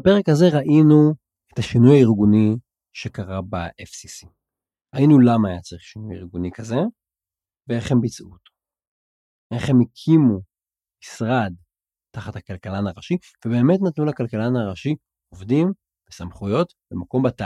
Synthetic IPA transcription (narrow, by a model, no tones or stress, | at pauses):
ape̞ʁekhaze̞ʁaʔinu | etaʃinujaiʁɡuni | ʃe̞kaʁabaʔefsisi̥ | ʁainulamaːjat͡saʁiχʃinujḭʁɡunikaze̞ | veeχembit͡sṵt | eχe̞mekʰimu | misʁad̚ | taχathakalkalanaʁaʃi | vebe̞ːme̞tnatnulakalkalanaʁaʃi | ovdim | vesamχujo̞t | bemako̞mbata